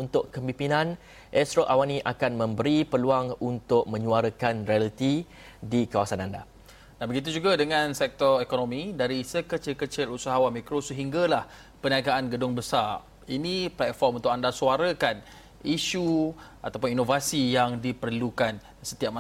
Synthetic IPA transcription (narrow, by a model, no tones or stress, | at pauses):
unt̪ʊʔkəmbimpinãn | ʔɛsɾoʔawanĩʔakanmə̃mbəɾipəluaŋunt̪ʊk̚mə̃ɲũaɾəkanɾialit̪i | dikawasananda | danbəɡit̪̬ud͡ʒuɡadəŋãnsɛk̚t̪ɔɾekonomĩdaɾisəkət͡ʃɪlkət͡ʃɪlusaɦawamikɾosəɦiŋɡalah | pəniaɡaʔanɡədʊŋbəsar | iniplɛt̪̚fɔrmunt̪ʊʔk̚andasuaɾəkan | iʃuʔat̪ap̬ʊninovasijaŋdipərlukan | sə̥t̪iap̚ma